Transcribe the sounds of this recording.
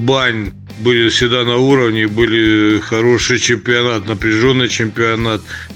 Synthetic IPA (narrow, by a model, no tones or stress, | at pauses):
banʲ | bɨlʲɪfsʲɪd̪anɐuɾəvnʲɪbɨlʲɪxɐɾo̞ʂɨjt͡ɕɪmpʲɪɐnat̪nəpɾʲɪʐo̞nːɨjt͡ɕɪmpʲɪɐnat̪